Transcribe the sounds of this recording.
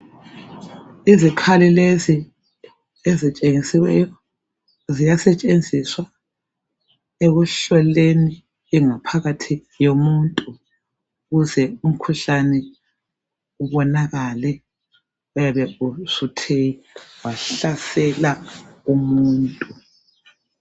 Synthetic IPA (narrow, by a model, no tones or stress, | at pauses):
izikʰalilezi | ezit͡ʃʼeŋisiwɛjɔ | zijasɛt͡ʃʼend͡zʱiswa | eɣuɬɔleniː | ŋapʰaɣatʰi | jomuntʼu | ɣuzɛum̩kʰuɬanɛ | uβɔnaɣalɛ | ujaβɛusutʰejiwaɬasɛlaumuːntʼu